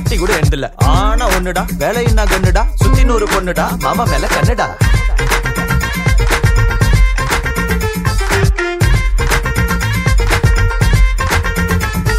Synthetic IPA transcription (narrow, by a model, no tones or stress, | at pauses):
ʈ̪ːikuːɽɐɛnd̪ɪlːɛ̰aːnaːɔnːɯɽaːʋeːlɐjɪnːaːkɐɳːɯɽaːsʊt͡ʃːɪnoːɾɯkɔnːɯɽaːmaːmãmeːlɐkɐnːɯɽaː